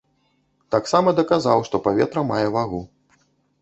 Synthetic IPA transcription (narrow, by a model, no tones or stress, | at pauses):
t̪aksamɐd̪ɐkazawʂt̪ɔpavʲɛ̰t̪ɾɐmajɛvaɣu